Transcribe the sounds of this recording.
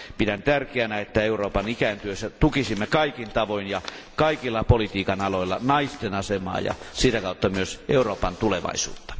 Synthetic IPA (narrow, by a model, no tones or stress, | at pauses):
pidænt̪ærkeænæet̪ːæeuroːpɑnikænt̪yøsːæt̪ukisimːekɑikint̪ɑʋoinjɑ | kɑikilːɑpolit̪iːkɑnɑloilːɑnɑist̪enɑsemɑ̰ːjɑ̰sit̪ækɑˑut̪ːɑmyøsʔeuroːpɑnt̪uleʋɑ̰isṵːt̪ːɑ̥